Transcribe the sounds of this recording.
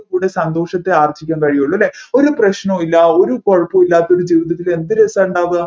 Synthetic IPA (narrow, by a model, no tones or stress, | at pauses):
kuːɽesɐnd̪o̞ːʂɐt̪ːe̞aːrɐt͡ɕːikʲːaːmkɐɻijoɭːuɐlːeo̞ɾuprɐɕnomilːɐo̞ɾukoɻɐpːɐmilːaːt̪ːo̞ɾud͡ʑiːʋiðɐt̪ːile̞nd̪iɾesaːɳɖaːʋɨ